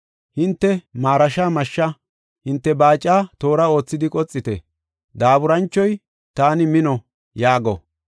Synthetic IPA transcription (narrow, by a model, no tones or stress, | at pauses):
hɪnt̪ːɛmaːɾɐʃaːmɐʃːɐ | hɪnt̪ːɛbaːt͡ʃʼːaːt̪o̞ːɾɐo̞ːt͡sːɪd̪ɪkʼɔt͡sʼːɪt̪ɛ̰ | d̪aːbʊɾɐnt͡ʃːɔj | t̪aːnɪmɪnɔ | jaːɡɔ̰